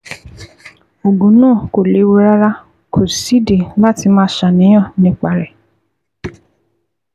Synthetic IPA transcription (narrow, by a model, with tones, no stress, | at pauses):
o˨ɡũ˨˦nãː˦˨ko˨le˨˦wu˦ɾa˦ɾa˦ | kʰo˨si˨˦de˨la˦ti˧mãː˦ʃa˨nĩ˨˦j̃ã˦˨nĩ˦k͡pa˧ɾɛ˨